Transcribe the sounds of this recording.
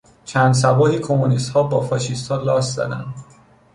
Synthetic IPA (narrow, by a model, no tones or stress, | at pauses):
t͡ʃʰæːnd̪s̬æbɒːhikʰomunist̪hɒːbɒːfɒːʃist̪hɒːlɒːst̪zɒ̰ːd̪æ̰nd̪